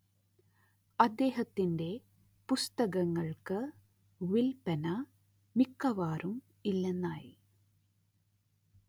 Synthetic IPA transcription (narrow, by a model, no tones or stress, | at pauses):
ɐd̪ːe̞ːɦɐt̪ːinde̞ | pust̪ɐɣɐŋːɐɭkɨ | ʋilpɐnɐ | mikːɐʋaːɾum | ilːenːaːji